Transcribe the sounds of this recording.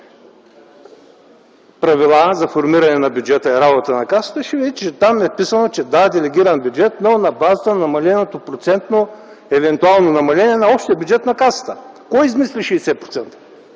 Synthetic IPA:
pɾɐvilˠazɐfoɾmiɾɐnɛnɐbʲjʊd͡ʒɛt̪əɛɾabot̪ənɐkasə̥t̪əʃɛvid̪it͡ʃɛt̪amɛpisənot͡ʃɛd̪ad̪ɛlɛɡʲiɾənbjud͡ʒɛt̪nonɐbazət̪ənɐmɐlɛnot̪opɾot̪sɛnt̪no | ɛvɛnt̪ualˠnonɐmɐlʲɛnʲiɛnɐɔpʃt̪iɛbjud͡ʒɛt̪nɐkasə̥t̪ə | kɔjizmisliʃɛisɛpɾot̪sɛnt̪ə̥

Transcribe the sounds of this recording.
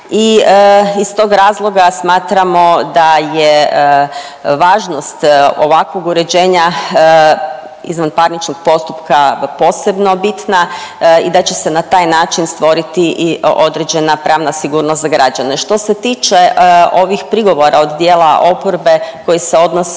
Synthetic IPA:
i | ist̪o̞ɡɾaːzlˠo̞ɡasmaːt̪ɾamo̞d̪aje | ʋaːʒno̞st̪o̞̰ʋakʋo̞ɡuɾe̞d͡ʑe̞ːɲa | ḭzʋanpaɾnit͡ʃnoɡ̥̚po̞st̪upkapo̞ːse̞bno̞bit̪naid̪at͡ɕe̞senat̪aːjnaːt͡ʃinst̪ʋo̞ɾit̪io̞d̪ɾed͡ʑe̞napɾʔaːʋnasiɡuːɾnost̪zaɡɾad͡ʑane̞ʃt̪o̞set̪iːt͡ʃeo̞ʋixpɾiɡo̞ʋo̞ɾao̞d̪d̪jeːlˠaʔo̞poɾbe̞ko̞jiseo̞d̪nos

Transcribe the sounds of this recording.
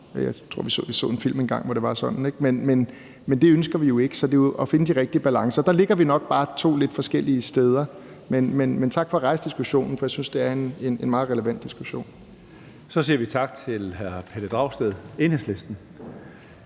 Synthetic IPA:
jɑ̈ɪt͡sʰʁo̝ɐ̰ʋisɔ̰ːʋisɔ̰̽ːe̝nfil̰menɡ̥ɑ̈ŋ̰ʋɒɾ̥e̝ʋɑ̈sɒ̽n̥n̩eɡ̥menmen | mend̥e̝ønsɡ̥ɐʋijo̝e̝ɡ̥ə̥sɒ̽d̥e̝ʔɒ̽fe̝nəd̥iʁɛɡ̥̚d̥iəb̥ælɑ̈ŋsɐːd̥ɑ̈le̝ɡ̥ɐʋinɒ̽ɡ̥̚b̥ɑ̈ːt͡sʰo̝̰ːle̝d̥fɒ̽sɡ̥el̰iəsd̥eːð̞ˠɐ | menmenment͡sʰɑ̈ɡ̥fɒ̽ʁɑ̈ɪsd̥isɡ̥uɕo̝̰ːnn̩fɒ̽jäsynsd̥e̝æɐe̝ne̝nenmɑ̈ːðˠʁɛləʋæn̰d̥isɡ̥uɕo̝̰ːn | sɒ̽siːɐʋit͡sʰɑ̈ɡ̥̚t͡sʰe̝lhæɐ̰pʰed̥əd̥ʁɑ̈ʊ̰sd̥eð̰ˠe̝nhesle̝sd̥n̩

